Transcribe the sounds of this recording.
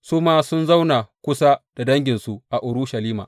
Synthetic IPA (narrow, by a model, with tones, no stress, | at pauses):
sʊ˦maː˦sʊ˦nza˦wna˨kʷʊ˦sa˦d̥a˨dɐ˦ŋɡʲɪ˨nsu˨ʔa˨ʔʊ˨ɾu˦ʃɐ˨liː˦ma̰˨